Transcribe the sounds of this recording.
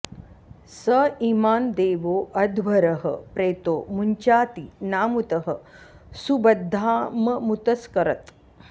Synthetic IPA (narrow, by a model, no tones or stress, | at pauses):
sɐimaːnd̪eːʋoːʔɐd̪ʱʋɐɾɐɦɐ̰pɾeːt̪oːmuɲt͡ʃaːt̪inaːmut̪ɐɦɐ | subɐd̪ʱːaːmɐmut̪ɐskɐɾɐt̪